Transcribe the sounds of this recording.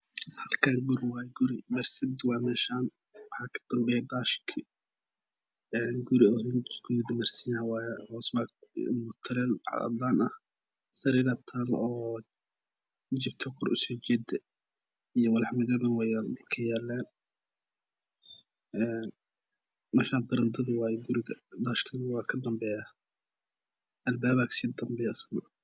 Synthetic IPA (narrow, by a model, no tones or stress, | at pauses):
hɐlkʰaːŋɡʊɾɪwaːjɛɡʊɾɪmɛrsɪbd̪wɑːmɛːʃaːn | wɑħɑːkʰɐ̥d̪̥ɐmbɛɛd̪aːʃkʰi | ɛːnɡʊɾɪɔɾɪnɡʊd̪ɪmɐrsɪjhɐwahɔːsbamʊt̪ʰɐɾɛlʕɑ̰ɐ̰d̪laːnɐh | sɐɾiːɾɐt̪ʰalɔː | d͡ʒɪft̪ʰɔkʰɔrʔʊ̰sɔːt͡ʃɛd̪ | ijɔwɐlħmɪdɐðɐnwajankʰɐjɛːlɛːn | ɛːn | mɐʃaːbɐɾɐnd̪ʰɐðiwɑːjɛɡʊɾɪɣɐd̪aːʃkʰɐnɪwɑːkʰɐd̪ɐmbɛːjaː | ʔɐlbaːβaksɪd̪ɐmbɛjɐsɐm